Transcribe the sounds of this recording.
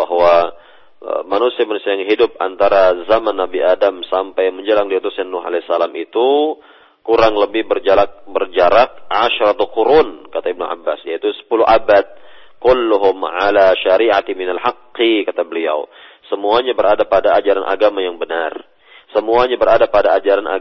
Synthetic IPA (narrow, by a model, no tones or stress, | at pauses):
baɦwa | ə̰manusiamanusiajaŋɦidʊp̚a̰nt̪aɾazamanːabiʔadamsampajŋməɲd͡ʒəlaŋdiut̪usɲanːʊɦa̰lɛsalamʔit̪u | kuɾaŋləbɪhbərd͡ʒalak̚bərd͡ʒaɾak̚ʕaʃɾat̪aquɾunkat̪aibnuʔa̰bːasjait̪usə̥puluʔabat̪̚ | kʊlːʊɦʊmʕalaʃaɾiʕat̪mɪnalħaqːikat̪abəlia̰w | səmuaɲabəɾadapadaːd͡ʒaɾanʔa̰ɡamajaŋbənar | səmuaɲabəɾadapadaːd͡ʒaɾanʔa̰